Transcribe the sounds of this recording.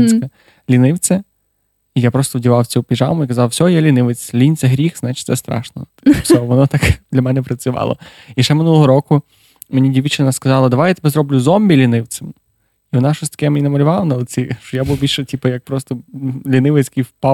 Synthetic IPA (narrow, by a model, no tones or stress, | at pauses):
nsʲkɐ | lʲinɪwt͡sʲɐ | ijapɾɔst̪ɔwdʲiʋˠɑwt͡sʲupʲiʒɑ̰wmʊikɐzɑwsʲɔɦɔjɛlʲinɪʋet͡sʲlʲinʲt͡s̪ʲɛɦɾʲixznɑt͡ʃɪ̥tʲsɛst̪ɾɑ̰ʃnɔ̰t̪sʲɔʋɔnɔt̪ɑkd̪lʲɐmɛnɛpɾɐt͡sʲʊʋɑ̰lˠɔ̰ | iʃt͡ʃɛmɪnulˠɔɦɔɾɔkʊ | menʲidʲiʋʲit͡ʃɪnɐskɐzɑlˠɐd̪ɐʋajat̪ɪbɛzɾɔblʲʊzɔmʲbʲilʲinɪwt͡sʲɐm | iʋɔnɑʃɔsʲt̪ɐ̥kɛmenʲinɐmɐlʲʊʋɑlˠɐnɐlˠt͡sʲiʃt͡ʃɔjabuwbilʲʃɛtʲipɐjɐk̚pɾɔst̪ɔlʲinɪʋɪt͡sʲkijwpɑ